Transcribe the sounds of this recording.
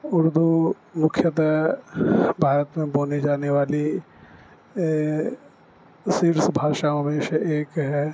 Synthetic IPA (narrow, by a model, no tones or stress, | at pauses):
ʊɾd̪u | mʊkʰjət̪ | bʱaːɾət̪mẽboːnid͡ʒaːneʋaːli | siɾsbʱaːʃaɦɐmeːʃaʔeːkɦɛː